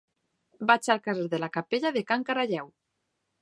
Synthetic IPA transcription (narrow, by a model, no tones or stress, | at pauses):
bat͡ʃalkareɾðelakapeʎaðekaŋkaɾaʎɛw